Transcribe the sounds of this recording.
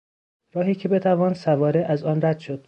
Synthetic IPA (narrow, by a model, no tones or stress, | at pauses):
ɾɒːɦiːcʰe̞be̞t̪ʰævɒːnsævɒːɾeʔæzɒːnræd̪̥ʃo̞d̪̥